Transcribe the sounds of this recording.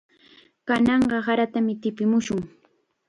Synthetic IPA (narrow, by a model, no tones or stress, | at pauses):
kanɑɴɢɑhaɾat̪amɪt̪ɪpɪmʊʃʊŋ